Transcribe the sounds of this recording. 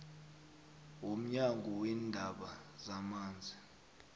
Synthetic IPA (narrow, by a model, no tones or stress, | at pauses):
om̩ɲaŋɡʱɔwɛndʱaɓazamaːnd͡zʱi